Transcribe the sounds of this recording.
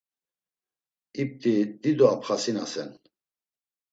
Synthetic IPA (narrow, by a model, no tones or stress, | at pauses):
ip̚t̪ʼid̪id̪ɔapχasinasɛn